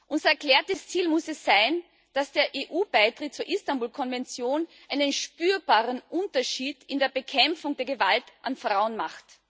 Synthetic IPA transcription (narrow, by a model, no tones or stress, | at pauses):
ʔʊnzɐɛɐklɛːɐtəst͡siːlmʊsɛsːaɪn | d̥asd̥eːɐʔeːʔuːb̥aɪtʁ̥ɪt̚t͡suːɐʔistambuːlkʰɔnvɛnt͡sjoːnʔaɪnənʃpyːɐb̥aːʁənʔʊntɐʃiːdɪndeːɐbəkʰɛmfʊŋdeːɐɡəvaltʔanfʁ̥aʊənmaχt